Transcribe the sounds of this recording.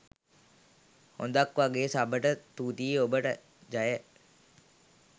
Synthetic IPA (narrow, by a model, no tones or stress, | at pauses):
ho̰nd̪akʋaɡeːsabəʈət̪uːt̪iobəʈə | d͡ʒajə